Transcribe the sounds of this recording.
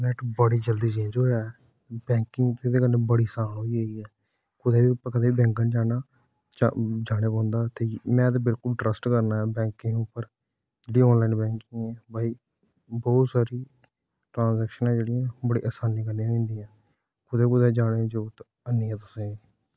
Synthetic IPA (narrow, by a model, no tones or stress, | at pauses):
nɛʈbəɽiːd͡ʒəld̪iːt͡ʃiːd͡ʒɦoːja | bɛ̃ːŋkɪ̃ŋɡt̪ed̪eːkənẽːbəɽiːsaːnɦoːiɦeːɡiːɛː | kʊd̪eːbiːpkəd̪eːiːbɛ̃ːŋkənd͡ʒaːnaː | t͡ʃd͡ʒaːɽ̃eːpãːnd̪aːt̪eːmɛ̃ːt̪eːbɪlkʊlɖɾəsʈkəɾnaːɛːbɛ̃ːŋkɪ̃ŋʊpːəɾ | d͡ʒeːɽĩɔːnlaːinbɛ̃ːŋkɪŋɛ̃ːbaːiː | bɔːt̪saːɾiː | ʈɾãːnzɛːkʃənãːd͡ʒeːɽɪjãːbəɽḭːʔaːsaːniːkənĩãẽːnd̪iːãː | kʊd̪eːkʊd̪ɛːd͡ʒaːɽed͡ʒoːt̪ | ənɪːãːt̪ʊsẽː